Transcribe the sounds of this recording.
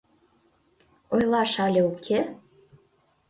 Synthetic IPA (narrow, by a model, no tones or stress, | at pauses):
ojlˠɑʃɑlʲeukʰe